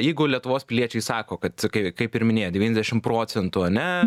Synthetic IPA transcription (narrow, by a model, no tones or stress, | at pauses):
jɛɪɡʊlʲiɛt̪ʊʋoːspʲɪlʲiɛt͡ʃʲɛɪsɑːkoːkɐt̪kɐɪkɐɪpɪɾmʲɪnʲeːjdʲɛʋʲiːnʲɛzd̪ʲɛʃʲɪmpɾoːt͡s̪ʲɛnt̪ʊɐnʲɛ